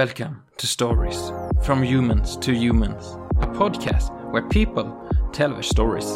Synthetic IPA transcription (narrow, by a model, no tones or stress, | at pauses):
ɛlˠkə̃m | tʰɨstɔɹiz̥fɹʌ̃mjʉmə̃nz̥tʰɨjʉmə̃nz̥ | ʔəpʰɔd̚kʰæ̰st̚wə˞pʰipəlˠ | tʰɛlˠðə̰stɔɹḭz̥